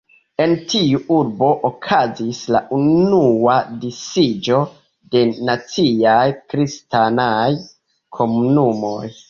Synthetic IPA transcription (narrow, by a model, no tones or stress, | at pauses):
e̞ntiuuɾbo̞ʔokʰazisla̰ʔunuadisid͡ʒo̞ | de̞nat͡siajkɾistanaj | kʰo̞munumo̞j